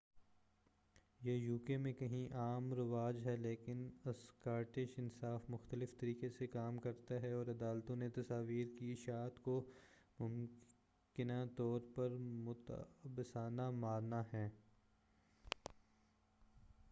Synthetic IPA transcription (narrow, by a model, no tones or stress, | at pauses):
jejuːkemẽkɐɦĩʔaːmɾɪʋaːd͡ʒɦɛleːkɪnɐskaːɾʈɪʃɪnsaːfmʊxt̪əlɪft̪ɐɾiːkesekaːmkɐɾt̪aɦɛɔːɾɐd̪aːlt̪õnet̪ɐsaːʋiːɾkiɪʃaːt̪ko | mʊm | kɪnat̪ɔːɾpɐɾmʊt̪bɪsaːnamaːɾnaɦɛː